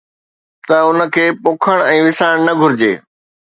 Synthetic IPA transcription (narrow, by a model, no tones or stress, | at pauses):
t̪ɐʊnə̆kʰeːpʊkʰəɽ̃ɛ̃ːʋɪsaːɪɽ̃nɐɡʱʊɾɪd͡ʑḛː